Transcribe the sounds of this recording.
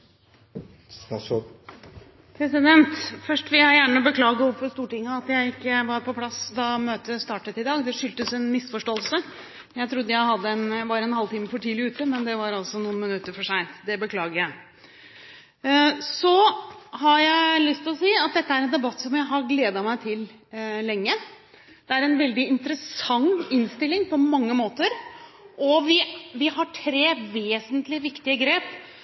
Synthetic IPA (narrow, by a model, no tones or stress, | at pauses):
pʰɾɛsɪd̪ɛnt̪fœʂʈʋɪljæjæːɳəɔbəkʰlɑːɡəʊfɔst̪uːʈɪŋːəɑt̪jæɪɪkːəʋɑɾpʰɔpʰlɑsd̪ɑmøːt̪əst̪ɑːʈət̪ɪd̪ɑːɡd̪ɛʂʏlt̪əsɛnmɪsfɔʂʈoːəlsə | jæɪt̪ʰɾʊd̪ːəjæɪɦɑd̪ːəɛnʋɑɾɛnhɑlt̪iːməfɔʈʰiːlɪʉːt̪əmɛnd̪ɛʋɑɾɑlsɔnuːnmɪnʉt̪ːəɾfɔʂæɪnt̪d̪ɛbəkʰlɑːɡəɾjæɪ | sɔɦɑjæɪlʏst̪ɪlɔsiːɑt̪̚d̪ɛt̪ːəæɾɛnd̪ɛbɑt̪ːsɔmjæɪɦɑɾɡleːd̪ɑmæɪt̪ʰɪl | lɛŋːə | d̪̥ɛæɾɛnʋɛld̪ɪɪnt̪əɾəsɑŋɪnst̪ɪlːɪŋpʰɔmɑŋːəmoːt̪əɾʔɔʋɪʋɪhɑʈʰɾeːʋeːsənt̪lɪʋɪkt̪ɪəɡɾeːp